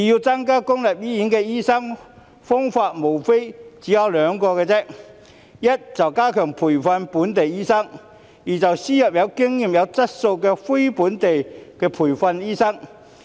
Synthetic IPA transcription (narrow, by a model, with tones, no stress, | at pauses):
i˨jiː˧wt͡sɐ˥ŋkaː˥kʊ˥ŋlɐ˨p̚jiː˥jiː˨˥nkɛː˧jiː˥sɐ˥ŋ | fʊ˥ŋfaː˧t̚mo˨˩wfe˥jt͡siː˨˥jɐ˨˧wlœː˨˧ŋkɔː˧kɛː˧t͡sɛ˥k̚ | jɐ˥t̚t͡sɐ˨wkaː˥kʰœː˨˩ŋpʰuː˨˩jfɐ˧npuː˨˥nt̪̬e˨jiː˥sɐ˥ŋ | jiː˨˩t͡sɐ˨wsiː˥jɐ˨p̚jɐ˨˧wkɪ˥ŋjiː˨mjɐ˨˧wt͡sɐ˥t̚so˧wkɛː˧fe˥jpuː˨˥nt̪e˨jkɛː˧pʰuː˨˩jfɐ˧njiː˥sɐ˥ŋ